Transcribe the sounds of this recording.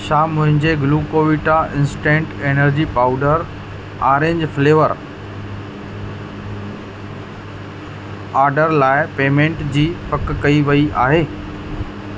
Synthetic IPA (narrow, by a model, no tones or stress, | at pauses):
ʃaːmʊ̃ɦɪ̃ɲd͡ʑeɡluːkoːʋiʈaʔɪ̃nsʈẽːŋʈeːnəɾd͡ʑipaːʊɖəɾ | aːɾẽːɲd͡ʑfleːʋəɾ | aːɾɖəɾlaːɪpeːmẽːɳʈd͡ʑiːpɐkkɐiʋɐiʔaːɦeː